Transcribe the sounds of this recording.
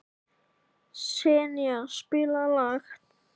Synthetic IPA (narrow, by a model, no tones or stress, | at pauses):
sɛːnjaspɪːlalaxt̪̚